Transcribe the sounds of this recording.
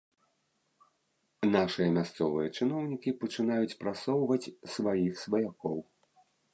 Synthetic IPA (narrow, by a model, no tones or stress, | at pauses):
naʂɨjɐmʲast̪sɔvɨjɐt͡ʂɨnɔwnʲikʲipɐt͡ʂɨn̪ajut͡sʲpɾasɔwvɐt͡sʲsvajixsvɐjakɔw